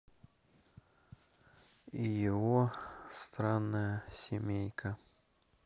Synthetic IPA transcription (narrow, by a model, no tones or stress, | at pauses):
ijɪvost̪ɾanːəjəsʲɪmʲejkʰə